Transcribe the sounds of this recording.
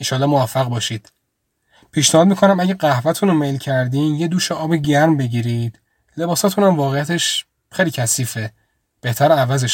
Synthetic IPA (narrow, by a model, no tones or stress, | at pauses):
inʃɒːlɒːmovæfːæɣbɒːʃid̪̥ | pʰiːʃnehɒːd̪miːkʰo̞næmæɟæɢæhvæt̪ʰunomejlcʰæɾd̪imjed̪uːʃeɒːbeɟæɾmbeɟiːɾid̪ | le̞bɒːsɒːt̪ʰunæmvɒːɣejæt̪ʰe̞ʃ | xejliːcʰæsiːfe | b̥e̞ht̪ʰæɾævæzeʃ